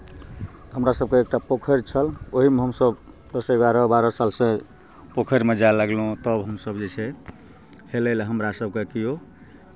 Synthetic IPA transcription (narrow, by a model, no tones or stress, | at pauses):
ɦəmɾasəb̚keek̚ʈapokʰəɾt͡ʃʰəloɦimeɦəmsəb | d̪əseɡaɾɔbaɾɔsalsẽ | pokʰəɾmed͡ʒalaɡlũt̪əbɦəmsəbd͡ʒet͡ʃʰɛ | heləlɦəmɾasəb̚kekijo